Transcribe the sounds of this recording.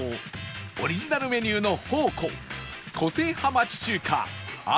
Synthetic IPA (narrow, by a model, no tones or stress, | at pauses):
oɾʲiʑinaɾɯ̟me̞ɲʲɨːno̞hoːkʰõ̰ŋ | kʰo̞se̞ːhamat͡ɕi̥t͡ɕɨːkʰa̰a̰